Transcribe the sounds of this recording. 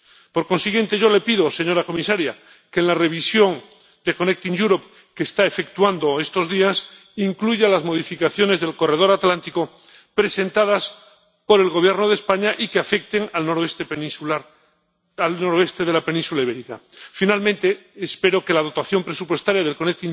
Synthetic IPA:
po̞ɾko̞nsiɣje̞nt̪e̞ʝo̞le̞piðo̞se̞ɲo̞ɾako̞misaɾja | kenlare̞β̞isjo̞ŋ | d̪e̞ko̞nek̚t̪iŋʝuɾop̚ | keːst̪aefek̚t̪wand̪o̞e̞st̪o̞zðias | iŋkluʝalazmo̞ð̞ifikaθjo̞ne̞zðe̞lko̞re̞ð̞o̞ɾat̪lant̪iko | pɾe̞se̞nt̪að̞as | po̞ɾe̞lɣo̞β̞je̞ɾnoð̞espaɲaʔikeafe̞k̚t̪e̞ŋalnoɾoest̪epenĩsuaɾ | alnoɾoe̞st̪e̞ðe̞lape̞nĩnsulaiβeɾikafinalmẽnt̪e̞ːspe̞ɾo̞ke̞lað̞o̞t̪aθjo̞mpɾe̞supwe̞st̪aɾjað̞e̞lko̞nek̚t̪iŋ

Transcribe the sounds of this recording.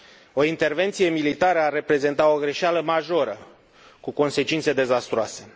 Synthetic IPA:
o̞int̪e̞rve̞nt̪sije̞milit̪aɾəarːe̞pɾe̞ze̞nt̪ao̞ɡɾe̞ʃaləmaʒo̞ɾə | kuko̞nse̞t͡ʃint̪se̞d̪e̞zast̪ɾoase̞

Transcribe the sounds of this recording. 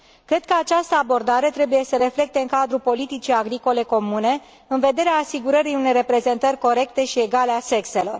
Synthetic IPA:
kɾet̪kəat͡ʃast̪əabo̞rd̪aɾe̞t̪ɾe̞buje̞səɾe̞fle̞k̚t̪e̞ɨŋkad̪ɾupo̞lit̪it͡ʃijaɡɾiko̞le̞ko̞mune̞ | ɨnve̞d̪e̞ɾeaːsiɡuɾəɾijune̞jre̞pɾe̞ze̞nt̪ərʲko̞ɾe̞kt̪e̞ʃie̞ɡalease̞kse̞lo̞̰r

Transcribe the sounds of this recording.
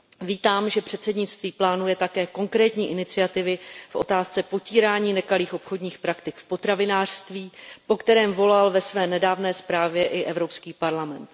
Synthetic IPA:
viːt̪aːmʒɛpr̝̥ɛt̪sɛdɲɪt͡st̪viːplaːnujɛt̪akɛːko̞ŋkɾɛːt̪ɲiːʔɪnɪt͡sɪat̪ɪvɪfʔo̞̰t̪aːst͡sɛpo̞ciːɾaːɲiːnɛkaliːxʔo̞pxo̞dɲiːxpɾakt̪ɪkfpo̞t̪ɾavɪnaːr̝̥st̪viːpo̞kt̪ɛɾɛːmvo̞lalvɛsvɛːnɛdaːvnɛːspɾaːvjɛʔɪʔɛvɾo̞pskiːpaɾlamɛnt̪

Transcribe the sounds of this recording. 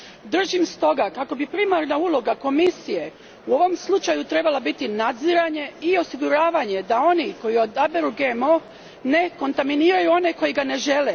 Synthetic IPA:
d̪r̩ʒimst̪o̞ɡakako̞bipɾimaɾnaulˠo̞ɡako̞misije̞ | uo̞ʋo̞mslˠut͡ʃajut̪ɾe̞balˠabit̪inad̪ziɾaɲe̞io̞siɡuɾaːʋaɲe̞d̪ao̞niko̞jiod̪abeɾuɡemo | ne̞ko̞nt̪aminiːɾajuo̞ne̞ko̞jiɡane̞ʒe̞le

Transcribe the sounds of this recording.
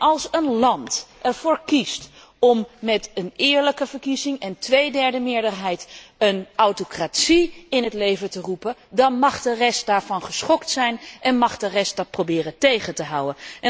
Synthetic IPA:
ʔɑlˠsənlɑntʔɛɹv̥ʊːɹkist | ɔmːɛtənɪːɹləkəvəɹkizɪŋɛntʋejdɛɹdəmɪːɹdəɹɦɛjtənawtokratsiɪnɦətlejvətərupədɑnmɑχdərɛst̚daːɹvɑnχəsχɔktsɛjnʔɛnmɑχdərɛstd̥ɑt̚probɪːɾətejχəntəɦawənɛ

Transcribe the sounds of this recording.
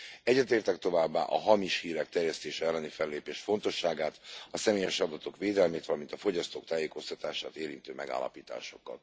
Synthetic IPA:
ɛɟːɛt̪eːrt̪ɛkt̪o̞vaːbːa̰ːʔɒɦɒmiʃhiːɾɛk̚t̪ɛrjɛst̪eːʃɛɛlːɛnifɛlːeːpeːʃfo̞nt̪o̞ʃːaːɡaːt̪ɒsɛmeːjɛʃɒd̪ɒt̪o̞kʋeːd̪ɛlmeːt̪vɒlɒmint̪ɒfo̞ɟɒst̪oːkt̪aːjeːko̞st̪ɒt̪aːʃaːt̪eːɾint̪øːmɛɡa̰ːlːɒ̰piːt̪a̰ːʃo̞kːɒ̰t̪

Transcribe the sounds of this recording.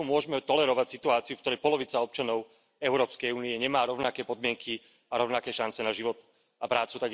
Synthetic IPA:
umʊɔʒmɛt̪ɔlɛɾɔʋacsit̪uaːt͡siufkt̪ɔɾɛjpɔlɔʋit͡saɔp̚t͡ʃanɔʊ | ɛʊɾɔːpskɛjuːniɛɲɛmaːɾɔʊnakɛːpɔd̪mɪɛŋkʰi | aɾɔʊnakɛːʃant͡sɛnaʒiʋɔt̪ | apɾaːt͡sut̪aɡ

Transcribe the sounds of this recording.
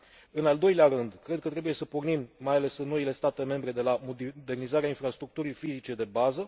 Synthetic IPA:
ɨnald̪o̞jleaɾɨnd̪kɾe̞d̪̚kət̪ɾe̞buje̞səpornimːajale̞sɨnːo̞ile̞st̪at̪e̞me̞mbɾe̞d̪e̞lamod̪e̞rnizaɾeainfɾast̪ɾuk̚t̪uɾijfizit͡ʃe̞d̪e̞bazə

